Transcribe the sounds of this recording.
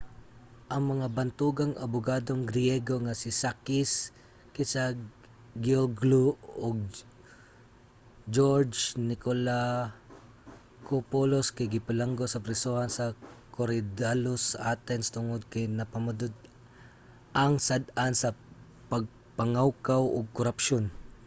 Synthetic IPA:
ʔɐŋmɐŋabɐnt̪uːɡaŋɐ̰bʊɡaːd̪oŋɡɾɪjɛɡoŋasɪsakɪs | kɪsaɡ | ɡolɡluʔoɡ̚ | d͡ʒoɹd͡ʒnɪkola | kopoloskɐjɡɪpɪlaŋɡosɐpɾɪsohansɐkoɾɪd̪alosʔat̪ɛnst̪ʊŋod̪̚kɐjnɐpɐmʊd̪ʊd̪̚ | ʔɐŋsad̪ansɐ | pɐɡ̚ | paŋawkawʔo̰ɡ̚kʊɾapʃon

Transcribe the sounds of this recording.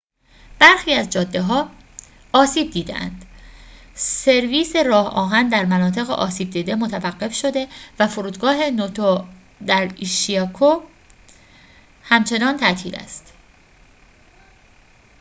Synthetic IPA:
b̥æɾxiːæzd͡ʒɒːd̪ːe̞ɦɒː | ɒːsiːb̚d̪iːd̪ḛʔæ̰nd̪̥ | se̞ɾviːse̞ɾɒːhɒ̰ːɦænd̪æɾmænɒːt̪ʰe̞ɣḛʔɒ̰ːsiːb̚d̪iːd̪e̞mo̞t̪ʰævæɢːe̞fʃo̞d̪e̞væfoɾuːd̪ɡɒːɦe̞not̪ʰo | d̪æɾiʃiɒkʰo | hæmt͡ʃʰe̞nɒːnt̪ʰæʔt̪ʰiːlæ̰st̪

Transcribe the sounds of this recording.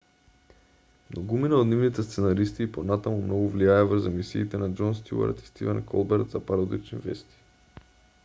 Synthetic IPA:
mnoɡuminaod̪nivnit̪ɛst̪sɛnaɾist̪iːponat̪amumnɔɡuvliajɛvəɾzamisiːt̪ɛnad͡ʒɔnst̪ṵa̰ɾt̪i̥st̪ivɛnkʰɔ̰lˠbɛɾt̪zapaɾod̪it͡ʃnḭvɛ̰st̪i̥

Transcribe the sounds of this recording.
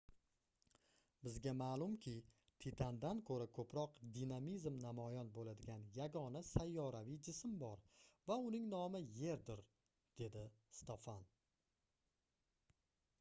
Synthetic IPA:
bɪzɡʲamaːlˠʊmkʲʰɪ | t̪ʰɪt̪ʰand̪ankʰɵɾakʰɵpɾɒqd̪inamizmnamɒjɒnbolad̪ɪɡʲanjaɡɒnasajːɒɾavijd͡ʒɪsmbɒɾvaʊnɪŋnɒmɪje̞ɾd̪ɪɾ | d̪̥e̞d̪ɪst̪ʰofan

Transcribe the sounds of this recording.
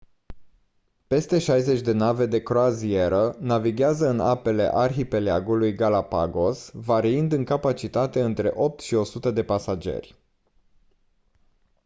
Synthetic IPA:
pe̞st̪e̞ʃajze̞t͡ʃʲd̪e̞nave̞d̪e̞kɾoazie̞ɾənaviɡʲeazəɨna̰pe̞le̞̰ʔarxipe̞leaɡulujɡalapa̰ɡo̞svaɾiind̪ɨŋkapat͡ʃit̪at̪e̞ɨnt̪ɾe̞̰ʔo̞p̚t̪ʃio̞sut̪əd̪e̞pasad͡ʒe̞̰rʲ

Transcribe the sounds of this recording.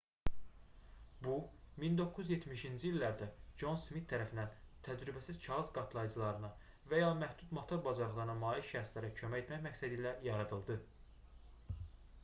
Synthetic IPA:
bumind̪o̞kʰːuyzje̞t̪miʃind͡ʒiilːæɾd̪æd͡ʒo̞nsmit̪ʰːæɾæfind̪ænt̪ʰæd͡ʒɾybæsizt͡ʃʰɑɣɯzɡɑt̪ʰlˠɑjd͡ʒɯlˠɑɾɯnɑ | væjɑːmæhd̪ud̪mɑt̪ʰo̞ɾbɑzɑɾlˠɑɾɯnɑmɑːliʃæɾslæɾæcʰø̞mæe̞t̪mæçmæcsæd̪iːlæjɑɾɑd̪ɯlˠd̪ɯ

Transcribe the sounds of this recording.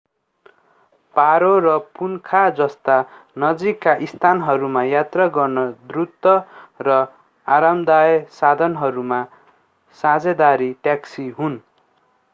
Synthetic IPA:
paɾorʌpunkʰad͡zʌst̪anʌd͡zikːaʔist̪ʰanɦʌɾumajat̪raɡʌrnʌd̪rut̪ːʌrʌ | aɾamd̪ajsad̪ʱʌnɦʌɾuma | sãd͡zed̪aɾiʈjaksiɦun

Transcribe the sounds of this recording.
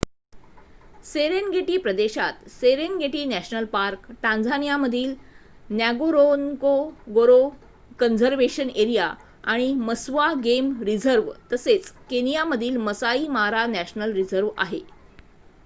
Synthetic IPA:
seɾenɡeʈiːpɾəd̪eɕat̪seɾenɡeʈiːnæɕnəlpaɾkʈãnd͡zʱanijaməd̪ʱiːlnjaɡoɾonkoɡoɾo | kənd͡zəɾʋeɕəneɾija | aɽ̃iməsʋaɡemɾid͡zəɾʋt̪əset͡skenijaməd̪ʱiːlməsaiːmaɾanæɕnəlɾid͡zəɾʋa̰ɦe

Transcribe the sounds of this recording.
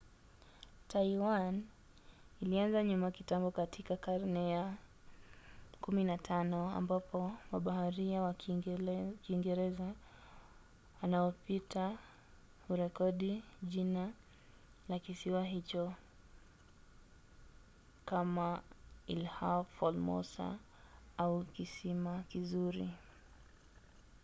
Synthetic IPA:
taiwan | ilianzaɲumakitambɔkatʰikakaɾnɛa | kuminatʰanɔa̰mbapɔmaɓahaɾiawa | kiŋɡɛɾɛza | wanaɔpitʰa | huɾɛkɔɗiʄina | lakisiwaɦit͡ʃɔ | kamailhafɔlmɔ̰sa̰ | aukisimakizuɾḭ

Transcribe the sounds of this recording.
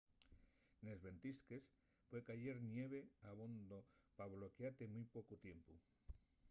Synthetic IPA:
ne̞zβe̞nt̪iskes | fwe̞kaʝeɾnjeβ̞e̞aβond̪opaβlo̞keat̪emujpo̞kut̪je̞mpu

